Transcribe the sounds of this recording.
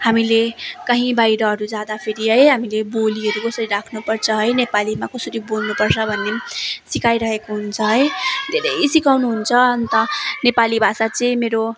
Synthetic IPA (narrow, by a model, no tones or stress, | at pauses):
hamilekʌɦĩbajɾʌɦʌɾud͡zad̪apʰeɾiɦʌjɦamileboliʌɾukʌsʌɾiɾakʰnupʌrt͡sʰʌɦʌjnepalimakʌsʌɾibolnupʌrt͡sʰʌbʱʌnːesikajɾʌɦekoɦunt͡sʰʌɦʌjd̪ʱeɾʌjsikawnuɦunt͡sʰʌʌnt̪ʌnepalibʱasat͡sʌĩmeɾo